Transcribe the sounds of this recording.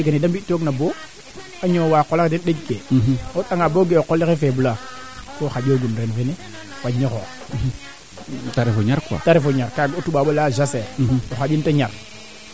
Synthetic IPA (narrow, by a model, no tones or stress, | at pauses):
ɡanidambitːoɡnabo | aɲowaːqolakdenɗeɡkeotaŋaboɡeokolexefebulakoxad͡ʒoɡunɾenfene | faɲoxo | taɾefoɲaɾkʷa̰taɾefoɲaɾkaɡotuɓaːɓolaʒaseɾoxad͡ʒintaɲaɾ